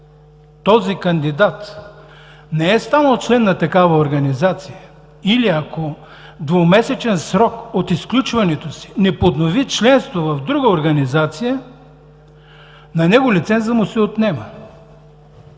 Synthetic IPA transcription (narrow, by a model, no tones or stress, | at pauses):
t̪ɔzikɐnd̪id̪at̪ | nɛɛst̪anəlˠt͡ʃlɛnːɐt̪ɐkavɐoɾɡɐnizat̪sijə | iliɐko | d̪vomɛsɛt͡ʃɛnsɾɔkot̪isklʲut͡ʃvɐnɛt̪osi̥nɛpod̪novit͡ʃlɛnst̪vovɐvd̪ɾuɡəoɾɡɐnizat̪sijə | nɐnɛɡolit̪sɛnzəmʊsɛot̪nɛmə